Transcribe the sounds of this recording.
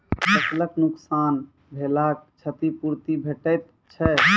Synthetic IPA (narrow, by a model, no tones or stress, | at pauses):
sətləknʊksan | bʱelak̚t͡ʃʰət̪ipuɾt̪ibʱeʈəjt̪ | t͡ʃʰɛ